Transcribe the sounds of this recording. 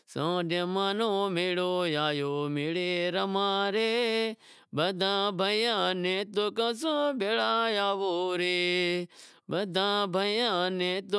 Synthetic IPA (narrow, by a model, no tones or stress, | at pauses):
sã̰ːɖẽmaːnoːmeɭoːjaːjoːmeɽeɾɐmãːɾe | bɐd̪ʱãːbʱəjãːnẽt̪okə̃sũbeːɭaːjaːʋoːɾeː | bɐd̪ʱãːbʱəjãːnẽt̪o